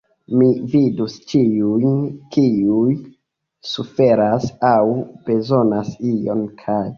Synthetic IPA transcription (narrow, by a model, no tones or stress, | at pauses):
mividust͡ʃiujnkiuj | sufe̞ɾasawb̥e̞zo̞nasio̞nkʰaj